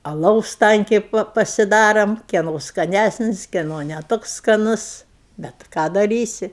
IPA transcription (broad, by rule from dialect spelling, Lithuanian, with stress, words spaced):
ɐˈlˠɐʊs ˈtɐŋʲkʲɛɪ ˈpɐ pɐsʲɪˈdɑːroːm ˈkʲiɛnoː skɐˈnʲæsʲnʲɪs kʲiɛˈnoː nʲɛ ˈtoːks skɐˈnʊs ˈbʲɛt ˈkɑː dɐˈrʲiːsʲɪ